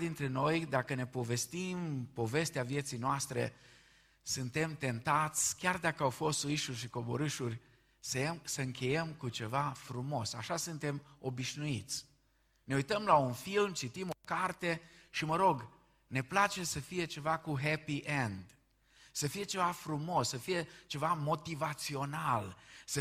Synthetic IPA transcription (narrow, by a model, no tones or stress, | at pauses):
d̪int̪ɾe̞no̞jd̪akəne̞po̞ve̞st̪impo̞ve̞st̪eavje̞t̪sijnoast̪ɾe̞̰ | sɨnt̪e̞mt̪e̞nt̪at̪sʲkʲard̪akəawfo̞st̪suiʃurʲʃiko̞bo̞̰ɾɨʃurʲ | səemsəɨŋkʰʲe̞jemkut͡ʃe̞vafɾumo̞sa̰ʃasɨnt̪e̞mo̞biʃnuit̪sʲ | ne̞ujt̪əmlaunfilmt͡ʃit̪imo̞kart̪e̞ʃiməɾo̞ɡ | ne̞plat͡ʃe̞səfije̞t͡ʃe̞vakuɦepiʔend̪ | səfije̞t͡ʃe̞vafɾumo̞sːəfije̞t͡ʃe̞vamo̞t̪ivat̪sio̞nalsə